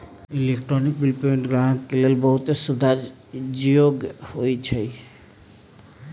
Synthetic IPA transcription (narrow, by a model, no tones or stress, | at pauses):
ilekʈɾonik̚bilpoeɳʈɡɾaɦkelelbɔɦut̪esud̪ʱaɾ | d͡ʒioɡhojt͡ʃʰej